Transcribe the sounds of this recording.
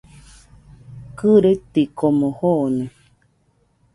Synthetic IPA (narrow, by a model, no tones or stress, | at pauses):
kɨɾet̪ikomohone